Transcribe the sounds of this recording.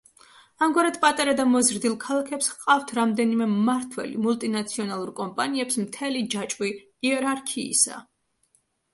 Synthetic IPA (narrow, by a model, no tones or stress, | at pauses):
amɡwaɾad̪pʼat̪ʼaɾad̪amɔzɾd̪ilˠkʰalˠakʰɛpsqʼaft̪ʰɾamd̪ɛnimɛːaɾt̪ʰwɛ̰lḭmulˠt̪ʼinat̪sʰiɔnalˠuɾkʼɔmpʼaniɛpsmt̪ʰɛlid͡ʒat͡ʃʼwi | iɛɾaɾkʰḭːsa̰